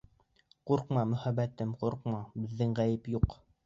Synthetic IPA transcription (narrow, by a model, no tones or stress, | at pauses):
quɾqmɑmɵ̆χæbæt̪ɘmquɾq̚mɑbɘ̆ðːɘŋʁæjɘpjuq